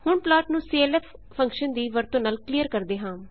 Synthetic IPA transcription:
hʊɳplɔːʈnũːsiːeːlɛːpʰ | pʰə̃ŋkʃənd̪iːʋəɾt̪õːnaːlkliːjəɾkəɾd̪eːɦãː

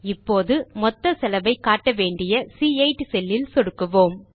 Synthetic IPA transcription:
ɪpːoːðɯmɔt̪ːɐsɛlɐbɐɪkːaːʈːɐʋeːɳɖɪjɐsiːɐɪʈːsɛlːɪlsɔɽɯkːɯʋoːm

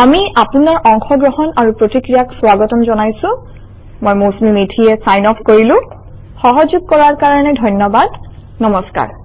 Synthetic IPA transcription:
amiapunaɹʔɔŋxɔɡɹɔɦɔnaɹupɹotikɹijakswaɡɔtɔmzɔnajsʊ̃ | mɔjmosmimitʰiɛsajnɔpʰkoɹilʊ̃ | xɔɦɔzuɡ̚kɔɹaɹkaɹɔnɛdʱɔjnɔbad | nɔmɔska̰ɹ

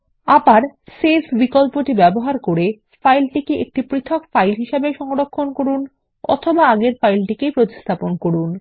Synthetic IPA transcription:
abaɾsesbikolpoʈibɛboɦaɾkoɾe | fajlʈikeʔek̚ʈipɾit̪ʰokfajlɦiʃabeʃɔŋɾokʰːonkoɾun | ɔ̰t̪ʰobaaɡeɾfajlʈikepɾot̪i̥st̪ʰaponkoɾun

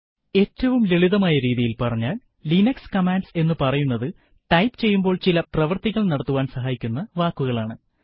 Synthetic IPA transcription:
e̞ːtːɐʋumleɭiðɐmaːjɐɾiːðijilpɐrɐɲːaːl | linɐkskɐmaːnɖse̞nːɨpɐrɐjunːɐðɨ | ʈɐjpt͡ɕe̞jːumbo̞ːɭt͡ɕilɐprɐʋɐrt̪iɣɐɭnɐɽɐt̪ːuʋaːnsɐɦaːjikʲːunːɐʋaːkːuɣɐɭaːɳɨ

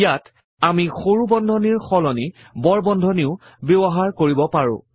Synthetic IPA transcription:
jat | amixoɹubɔndʱɔniɹxɔlɔni | bɔɹbɔndʱɔniʊ | bjebɔɦaɹkoɹibɔpaɹʊ̰̃

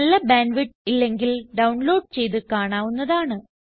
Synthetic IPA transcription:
ɐlːɐbaːnʋiʈilːe̞ŋɡilɖɐwɳlo̞ːɖ̚t͡ɕe̞jt̪ɨkaːɳaːʋunːɐðaːɳɨ

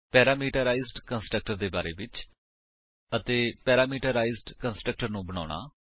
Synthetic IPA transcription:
pɛːɾaːmiːʈəɾaːizɖkənsʈɾək̚ʈəɾd̪eːba̰ːɾḛːʋɪt͡ʃ | ət̪eːpɛːɾaːmiːʈəɾaːizɖkənsʈɾək̚ʈəɾnũːbəɽ̃a̰ːɽ̃a̰ː

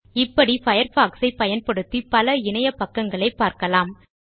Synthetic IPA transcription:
ɪpːɐɽifɐjɐɾfaːksɐɪpːɐjɐnpɐɽɯt̪ːipɐlɐɪnɐjɐpɐkːɐŋɡɐɭɐɪpːaːɾkɐlaːm

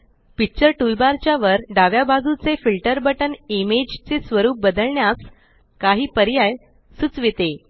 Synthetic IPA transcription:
pit͡ɕəɾʈulbaɾt͡ɕjaʋəɾɖaʋjabad͡zut͡sefilʈəɾbəʈənimed͡ʑt͡sesʋəɾuːp̚bəd̪əɭɳjas | kaɦiːpəɾjaj | sut͡sʋit̪e

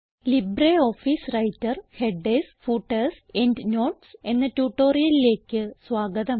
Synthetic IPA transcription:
libɾeo̞ːfisrɐjtːɐrhe̞ɖesfuːʈːɐs | eɳɖno̞ːʈse̞nːɐtuːʈːo̞ːrijɐlile̞ːkʲːɨsʋaːɡɐðɐm

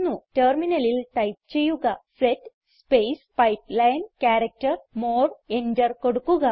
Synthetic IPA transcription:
nːuterminɐlilʈɐjp̚t͡ɕe̞jːuɣɐset | spejspɐjplɐjnkʲaːɾɐk̚tɐrmoːreɲdɐrko̞ɽukːuɣɐ

